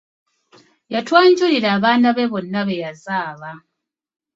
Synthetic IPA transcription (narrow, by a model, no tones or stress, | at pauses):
jatwaːɲɟuliɾaːβaːnaβeβo̞nːaβejazaːβa